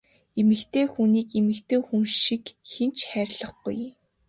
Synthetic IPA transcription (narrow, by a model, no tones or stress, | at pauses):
emɘ̆kt̪ʰeːxuːniːkemɘ̆kt̪ʰeːxumʃikxent͡ɕχæːɾʲɪɮə̆χɡṵj